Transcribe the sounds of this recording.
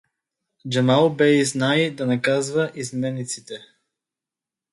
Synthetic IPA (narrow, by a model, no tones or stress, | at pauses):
d͡ʒamalˠbɛiznajd̪anakazvaʔizmɛnit̪sit̪ɛ